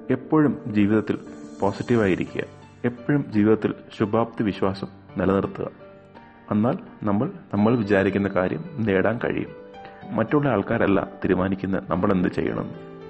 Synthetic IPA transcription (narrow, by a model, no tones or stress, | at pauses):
e̞pːoːɻumd͡ʑiːʋiðɐt̪ːilpoːsitːiʋaːjiɾikʲːuɣɐ̰ | e̞pːoːɻumd͡ʑiːʋiðɐt̪ːilɕubʱaːb̚t̪ːiʋiɕwaːsɐm | nelɐnirt̪ːuɣɐ̰ | e̞nːaːlnɐmːɐɭnɐmːɐɭʋit͡ɕaːɾikʲːunːɐkaːɾjɐ̰mne̞ːɽaːnkɐ̰ɻḭjṵmːɐtːuɭːɐaːɭkaːɾɐlːɐ̰t̪iɾumaːnikʲːunːɐ̰nɐmːɐɭe̞nd̪ɨt͡ɕe̞̰jːɐ̰ɳɐ̰nːɨ